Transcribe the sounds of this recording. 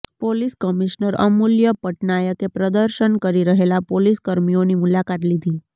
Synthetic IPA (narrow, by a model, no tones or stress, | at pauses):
poliskəmiʃnəɾə̰muljəpəʈnajəkepɾəd̪əɾʃənkəɾiɾəɦelapoliskəɾmionimulakat̪lid̪ʱi